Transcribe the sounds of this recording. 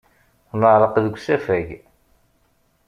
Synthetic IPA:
θnəʕɾˤəqðəɡʷsæfæʝ

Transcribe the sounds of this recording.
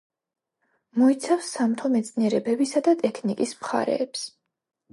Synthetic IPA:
mɔit̪sʰafsːamt̪ʰɔmɛt̪sʼniɛɾɛbɛbisad̪at̪ʼɛkʰnikʼismχa̰ɾɛ̰ːps

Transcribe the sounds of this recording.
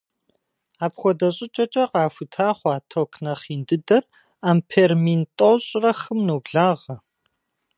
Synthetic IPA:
aːpxʷɔdɐɕʼɪt͡ʃʼɐt͡ʃʼɐqɑːfɨtʰaːχʷɑːtʰokʰnɐχiːndɨdɐr | aːmpʰeːrmintʼowɕʼrɐxɨmnoːɡɮaːʁɐ

